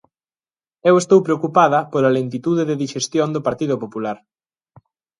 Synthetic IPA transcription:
ewest̪owpɾeokupaðɐpolɐlent̪it̪uðeðeðiʃest̪jond̪opaɾt̪iðopopulaɾ

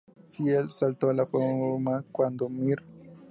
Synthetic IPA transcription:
fielsalt̪olafoɾmakwand̪omiɾ

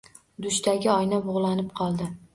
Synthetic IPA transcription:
d̪ʊʃt̪ʰaɡʲɪɒjnabʊʁlˠanɪp̚qʰɒlˠd̪ɪ

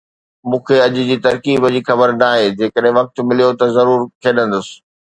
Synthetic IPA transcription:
mũːkʰeɐʄ̆d͡ʑiːt̪ɐɾkiːbd͡ʑiːxɐbəɾnaːɦeːd͡ʑeːkəɗɦɪ̃ʋɐk̚t̪mɪlijot̪ɐzɐɾuːɾkʰeːɗə̃nd̪ʊsɪ̥̆

